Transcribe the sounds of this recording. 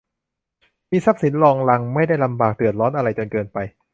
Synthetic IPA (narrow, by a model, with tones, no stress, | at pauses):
miː˧sa˦˥p̚si˨˩˦nlɔː˧ŋla˧ŋma˥˩jda˥˩jla˧mbaː˨˩k̚dɯ˨˩ət̪̚ɾɔː˦˥nʔa˧ɾa˧jt͡ɕo˧nkɤː˧npa˧j